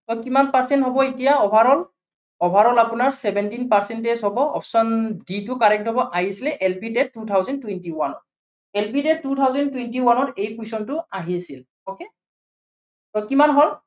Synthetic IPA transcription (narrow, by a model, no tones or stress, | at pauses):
tɔkimanpaɹsɛntɦɔbɔitijaɔbʱaɹɔl | ɔbʱaɹɔlapʊnaɹsɛbɛntinpaɹsɛntezɦɔbɔɔ̰pʰsɔnditʊkaɹɛk̚tɦɔbɔʔaɦisilɛʔɛlpitɛtːutʰawzɔntwɛntiwanɔt̚ | ɛlpitɛt̚tːutʰawzɛntwɛntiwanɔtejkwusɔntʊaɦisil | oke | tɔkimanɦɔl